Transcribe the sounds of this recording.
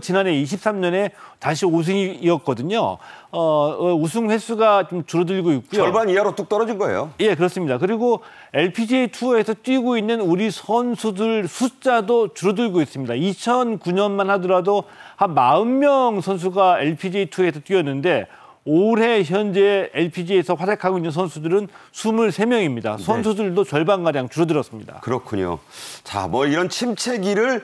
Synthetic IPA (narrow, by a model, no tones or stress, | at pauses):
t͡ɕinane̞iɕ̬ʰip̚s͈amɲʌne̞taɕ̬ʰios̬ʰɯŋiːʌt̚k͈ʌdɯɲo̰ʌus̬ʰuŋɸwe̞sʰuɡat͡ɕomt͡ɕuɾʌduʎɡoik̚k͈ujoʌɭbaniaɾot͈ok̚t͈ʌɾʌd͡ʑinɡʌḛjo̰je̞k̬ɯɾʌs͈ɯmɲidakɯɾiɡo | e̞ɭpʰid͡ʑitʰue̞sʰʌt͈ɥiɡoinːɯnuɾisʰʌnsʰudɯɭsʰut͡ɕ͈adot͡ɕuɾʌduʎɡois͈ɯmɲidait͡ɕʰʌnkuɲʌnmanhadʌɾadohanmaɯmːjʌŋsʰʌns̬ʰuɡaeɭpʰid͡ʑeitʰue̞sʰʌt͈ɥiʌnːɯnde̞ | oɾɦe̞çjʌnd͡ʑe̞eɭpʰid͡ʑiesʰʌɸwadekʰaɡoinːɯnsʰʌnsʰudɯɾɯnsʰumuɭsʰe̞mjʌŋimɲida̰sʰʌnsʰudɯɭdot͡ɕʌɭbanɡaɾjaŋt͡ɕuɾʌdɯɾʌs͈ɯmɲida̰kɯɾʌkʰuɲo̰t͡ɕa̰mwʌiɾʌnt͡ɕʰimt͡ɕʰeɡiɾɯɭ